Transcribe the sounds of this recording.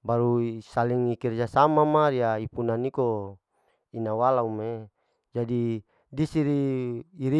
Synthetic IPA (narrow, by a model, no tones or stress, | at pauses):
baɾusaliŋikird͡ʒasamamaɾiaipunaniko | inawalaume | d͡ʒadi | disiɾiiɾi